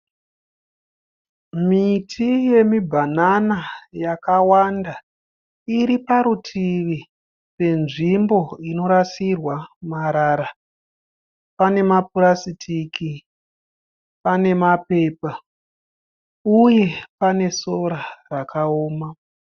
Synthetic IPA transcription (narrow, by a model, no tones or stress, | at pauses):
mitʰije̞mibʱananajakawanda | iɾipaɾutʰiʋi | pe̞nʐimbo̞ino̞ɾasirwamaɾaɾa | pane̞mapuɾasitʰiki | pane̞mape̞ːpa | uje̞pane̞so̞ɾarakaoːma